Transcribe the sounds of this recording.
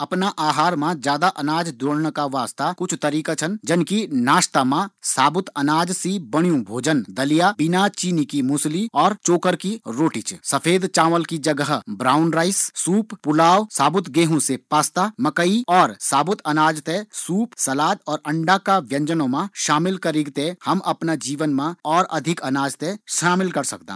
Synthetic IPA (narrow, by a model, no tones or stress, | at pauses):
ɐpnaʔaːɦaːɾmãd͡ʒjaːd̪aʔɐnaːd͡ʒd̪oːɽnkaʋaːst̪akʊt͡ʃʰt̪ɐɾiːkat͡ʃʰənd͡ʒɐnkinaːʃt̪amãsaːbʊt̪ɐnaːd͡ʒsibəɽ̃ijũbʱoːd͡ʒənd̪ɐlijabɪnat͡ʃiːnikimʊsliɔːɾt͡ʃoːkəɾkiɾoːʈɪt͡ʃsɐpʰeːd̪t͡ʃãːʋəlkid͡ʒɐɡəɦbɾaːʊnɾaːɪssuːppʊlaːʋsaːbʊt̪ɡeːɦõsepaːst̪amɐkəiɔːɾsaːbʊt̪ʰɐnaːd͡ʒt̪esuːpsɐlaːd̪ɔːɾɐ̃ɳɖakaʋjɐ̃ɲd͡ʒənõmãʃaːmɪlkɐɾɪɡt̪ẽhɐmɐpnad͡ʒiːʋənmãɔːɾɐ̰d̪ʱɪkɐnaːd͡ʒt̪eʃaːmɪlkɐɾsɐk̚d̪ã̰ː